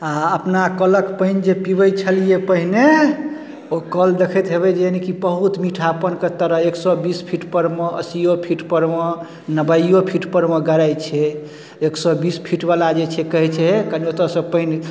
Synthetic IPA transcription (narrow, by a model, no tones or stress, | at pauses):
aəpnakələkpəɦnd͡ʒepibəjt͡ʃʰəlijepəɦine | okəld̪ekʰɛt̪ɦeβɛd͡ʒeenikibəɦut̪miʈʰapənkət̪əɾəɦeksɔbispʰiʈpəɾmeə̰sijopʰiʈpəɾme | nəbəjopʰiʈpəɾmeɡəɾajt͡ʃʰɛ | eksɔbispʰiʈbalad͡ʒet͡ʃʰɛkəɦɛt͡ʃʰɛkəniot̪əsə̃pəɦin